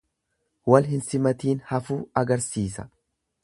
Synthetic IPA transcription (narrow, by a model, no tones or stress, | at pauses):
wɐlɦɪnsɪmɐt̪iːnhɐfuːɐɡɐɾsiːsɐ̥̰